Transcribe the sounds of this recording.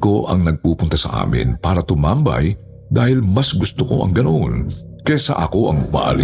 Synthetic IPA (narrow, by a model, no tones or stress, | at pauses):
ko̞ʔɐ̰ŋnɐɡ̚puːpʊnt̪ɐsɐ̰ʔa̰ːmɪ̰npaːɾɐt̪ʊmambɐ̰j | d̪aːhɪlmɐsɡʊst̪oko̞̰ʔɐ̰ŋɡɐno̞n | kɛsa̰ʔɐko̞ʔɐ̰ŋmɐ̰ʔa̰lɪ